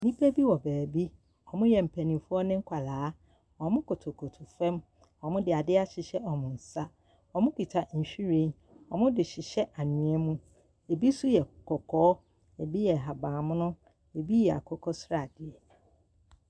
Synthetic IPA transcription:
nĩ˦pʰe˦bi˦wɔ˨bæː˨bi˦ | ɔ˨mʊ̃˦jɛ˨m̩˨pʰɛ˨nĩ˨fʊ˦ɔ˦nɪ̃˦ŋ̩˦kʷʰa˨laː˨˦ | ɔ˨mʊ̃˦kʰʊ˨tʰo˨kʰo˨tʰʊ˨fɛ̃˦m | ɔ˨mʊ̃˦dɪ˨a˨dɪ˦a˨ɕɪ˨ɕɛ˦ʔɔ˨mʊ̃˨n̩˨sa˦ | ɔ˨mʊ̃˦kʰi˨tʰa˨ɕᶣi˦ɾĩ˦n | ɔ˨mʊ̃˦dɪ˨ɕɪ˨ɕɛ˦ʔa˨nʊ̃˨ɛ˦mũ˦ | e˨bi˦sʊ˦jɛ˨kʰɔ˨kʰɔː˨˦ | e˨bi˦jɛ˨ɦa˨bãː˨mʊ̃˦nʊ̃˦ | e˨bi˦jɛ˨a̰˨kʰɔ˦kʰɔ˦sɾa˨dɪ˨ɛ˨

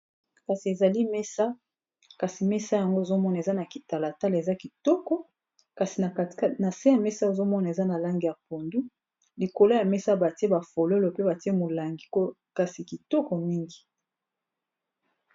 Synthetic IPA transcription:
ka˨si˨e˨za˨li˦mɛ˦sa˦ | ka˨si˨mɛ˦sa˦ja˨ŋɡo˦e˨zo˦mɔ˦n˨e˨za˦na˨ki˨ta˨la˨ta˦le˨za˦ki˨tɔ˦kɔ˦ | ka˨si˨˦na˨se˦ja˨mɛ˦sa˦e˨zo˦mɔ˦na˨e˨za˦na˨la˦ŋɡi˨ja˨po˨ndu˦ | li˨ko˨lo˦ja˨mɛ˦sa˦ba˨ti˦e˦ba˨fo˨lo˦lo˨pe˦ba˨ti˦e˦mo˨la˨ŋɡi˦ko˦ | ka˨si˨ki˨tɔ˦kɔ˨mi˦ŋɡi˨

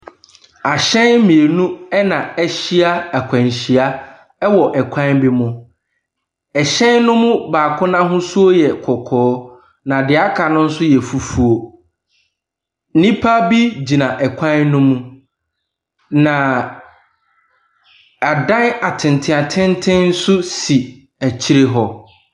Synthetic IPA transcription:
a˨ɕɛ̃˦nmĩ˨e˨nũ˦ɛ˦nã˨ɛ˦ɕi˦a˦æ˨kʷʰã˨n˨ɕi˨a˦ | ɛ˦wɔ˨ʔɛ˨kʷʰã˦nbi˦mʊ̃˦ | ɛ˨ɕɛ̃˦nnʊ̃˦mʊ̃˦baː˨kʰʊ̃˦nã˦ɦʊ̃˦su˦o˦jɛ˨kʰɔ˨kʰɔː˨˦ | nã˨dɪ˨a˦kʰa˨nʊ̃˦n̩˦sʊ˦jɛ˨fu˦fu˦o˨ | n̩˦nĩ˦pʰa˦bi˦d͡ʑi˨nã˨ʔɛ˨kʷʰã˦nːʊ̃˦mũ˦ | nã˨ | a˨dã˦na˨tʰɪ̃˨n˨tʰɪ̃˦˨a˨tʰɪ̃˦ntʰɪ̃˦nn̩˦sʊ˦si˨ | æ˨t͡ɕʰi˦ɾe˦ɦɔ˦

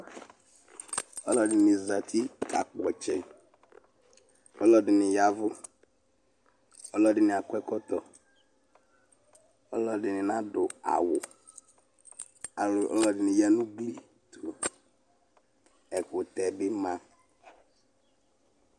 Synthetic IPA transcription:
ɔ˦lɔ˦dɪ˨nɪ̃˨za˨tʰi˦ka̰˨k͡pɔ˨t͡ʃɛ˨ | ɔ˦lɔ˦dɪ˨nɪ˨ja˦vʊ˦ | ɔ˦lɔ˦dɪ˨nɪ̃˨a˨kwɛ˦kɔ˦t̪ɔ˨ | ɔ˦lɔ˦dɪ˨nɪ˨nã˦dʊ˨a̰˨wʊ˨ | a˨lʊ˨ʔɔ̰˦lɔ˦dɪ˨nɪ̃˨ja˦nʊ̃˦ɡ͡bli˦ | tʊ˨ɔ˨ | ɛ˨kʊ˨t̪ɛ˨bɪ˦mã˦

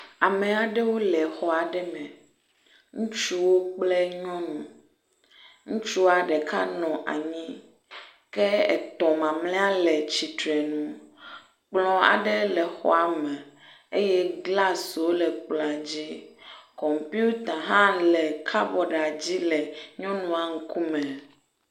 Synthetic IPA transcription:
a˨mẽ˨a˨ɖe˦wo˦lɛ˨xɔ˨a˨ɖɛ˦mɛ̃˨ | ŋũ˦t͡ʃu˦wo˦k͡ple˦ɲɔ̃˦nũ˨ | ŋũ˦t͡ʃu˦a˨ɖɛ˨ka̰˦nɔ̃˨ʔa̰˨ɲĩ˦ | kɛ˦ɛ̰˨t̪ɔ̃˨mã˨mlɛ̃˦a˦lɛ˨t͡ɕi˨t̪ɾɛ˨nũ˨ | k͡plɔ̃˦a̰˨ɖɛ˦lɛ˨xɔ̰˦a˨mɛ˨ | e˦jɛ˦ɡla˦so˦lɛ˨k͡plɔ̃˨a˨d͡ʑi˦kɔ˨m˨pi˦u˦t̪a˨ɦã˦lɛ˨kʰa˦vɔ˨ɖa˨d͡ʑi˦lɛ˨ɲɔ̃˦nũ˨a˨ŋ̩˦ku˦mɛ̃˨

